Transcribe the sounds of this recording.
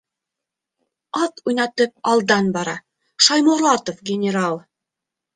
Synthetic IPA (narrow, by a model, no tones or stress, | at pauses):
ɑt̪ujnɑt̪ɤp̚ɑlˠd̪ɑnbɑɾɑ | ʃɑjmuɾlˠɑt̪ofɡʲɪnʲɪɾalˠ